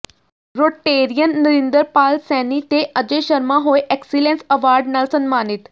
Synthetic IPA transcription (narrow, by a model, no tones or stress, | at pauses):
ɾoʈeːɾijənːəɾĩnd̪əɾpaːlsɛːnit̪eʔəd͡ʒeʃəɾmãɦoːeʔɛksilẽnsɐʋaːɾɖnaːlsənmaːnit̪